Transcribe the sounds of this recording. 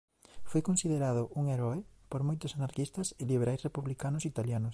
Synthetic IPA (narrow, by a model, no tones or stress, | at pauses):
fojkonsiðeɾað̞ʊʔuŋeɾɔepoɾmojt̪ʊsanaɾkist̪ɐsɪliβeɾʔajsrepuβlikanʊsit̪aljanʊs